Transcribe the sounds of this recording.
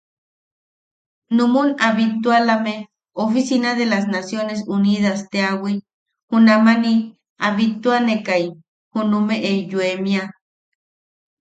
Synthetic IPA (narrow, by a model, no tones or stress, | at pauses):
numunaβit̪ualame | ofisinaðelas̬nasjones̬uniðast̪eawi | hunamani | aβit̪uanekaj | hunumeʔejuemja